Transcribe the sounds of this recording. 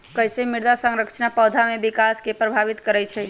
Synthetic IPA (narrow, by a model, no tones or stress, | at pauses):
kəɦjsemiɾd̪asə̃ŋɾəkt͡ʃʰnapəd̪ʱamebikaskepɾəbʱaβit̪kəɾɛt͡ʃʰɛ